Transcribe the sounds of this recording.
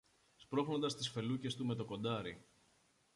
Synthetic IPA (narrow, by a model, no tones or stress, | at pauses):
spɾo̞xno̞nd̪ɐst̪isfe̞luce̞st̪ume̞t̪o̞ko̞nd̪ɐɾi